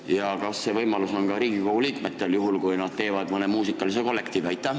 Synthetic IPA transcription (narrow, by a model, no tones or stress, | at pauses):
jɑkɑsːe̞vɤjmɑluso̞nkɑɾiːɡ̥ikohuliːk̪met̪ːˑeljuɦulkujnɑd̪̥t̪e̞ːvɑd̪̥mɤne̞muːsikˑːɑliseko̞lːe̞kt̪ivæjt̪ːˑɑ